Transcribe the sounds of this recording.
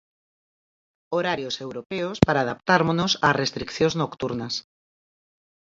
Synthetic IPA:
oɾaɾjosewɾopeospaɾaːðap̚t̪aɾmonosarest̪ɾikθjõznokt̪uɾnas

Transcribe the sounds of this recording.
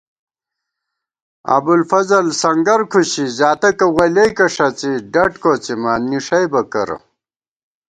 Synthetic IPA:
ɐ̰bulfɐzɐlsɐŋɡɐɾkʰuɕizaːt̪ɐkɐwɐlɐjkɐʂɐt͡siɖɐʈkoːt͡simaːnniʂɐjbɐkɐɾɐ̰

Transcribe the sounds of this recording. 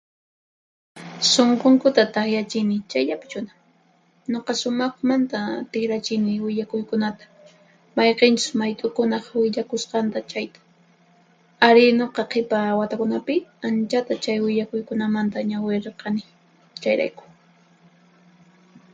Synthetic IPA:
soɴqoŋkʊt̪at̪aχjat͡ʃɪnɪt͡ʃajʎapɪ̥t͡ʃʊna | ɲoqɑsʊmɑχmant̪at̪ɪxɾat͡ʃɪnɪwɪʎakʊjkʊnat̪ḁ | mɑjqent͡ʃʊ̥smajt̪ʼʊkʊnɑqwɪʎakʊsqɑnt̪at͡ʃajt̪ḁ | aɾɪnoqɑqʰepawat̪akʊnapɪant͡ʃat̪at͡ʃajwɪʎakʊjkʊnamant̪aɲawɪɾqɑnɪ | t͡ʃajɾa̰jkʊ̥

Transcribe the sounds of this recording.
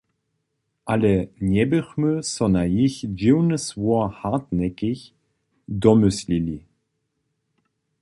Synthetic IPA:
ʔalənɛbəχmøsɔnajiçd͡ʒiwnəsvuɐhatnɛkɪç | d̪ɔmʏslili

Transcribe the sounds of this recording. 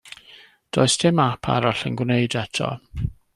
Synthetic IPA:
d̥oːɨstʰɪmapʰa̰ɾaɬənɡwneɨdɛtʰɔ̰

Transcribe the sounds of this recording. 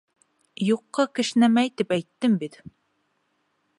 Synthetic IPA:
juqːɑkɘ̆ʃnæmæjt̪ipæjt̪ːɘmbit̪

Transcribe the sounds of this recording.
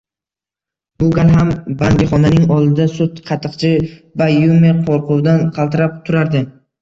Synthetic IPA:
bʊɡʲanɦambaŋɡʲɪχɒnanɪŋɒlˠd̪ɪd̪asʊt̪qʰɑt̪ʰɨqt͡ʃʰɪvajumeqʰoɾqʰʊwd̪anqʰɑlˠt̪ɪɾap̚t̪ʰʊɾaɾd̪ɪ

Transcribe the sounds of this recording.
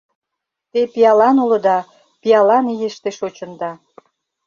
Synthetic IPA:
t̪epijɑlɑnulɤ̆d̪ɑ | piɑlɑnijeʃt̪eʃot͡ɕə̆nd̪ɑ

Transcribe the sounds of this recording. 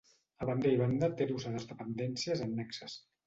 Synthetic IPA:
əβand̪ejβand̪at̪eɾuzaðəzðəpənd̪ɛnsiəzənːɛksəs

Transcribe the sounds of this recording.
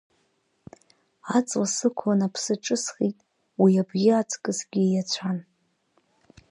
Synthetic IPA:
at͡sʼwasɨkʷʰanapʰsɨʈ͡ʂʼɨsχitʼ | wiabɡʲɪat͡sʰʼkʼɨsɡʲijat͡ɕʷʰan

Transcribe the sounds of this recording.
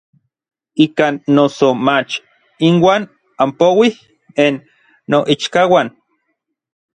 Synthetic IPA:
ikaːnːosomat͡ʃ | inwaːn | ampowih | enː | oʔit͡ʃkawaːn

